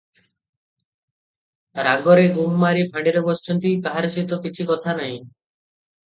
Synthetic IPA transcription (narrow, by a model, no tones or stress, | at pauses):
ɾaɡɔɾeɡumːaɾipʰãɳɖeɾobɔst͡ʃʰɔnt̪ijpaɦaɾosit̪okit͡ɕʰikɔt̪ʰanaj̃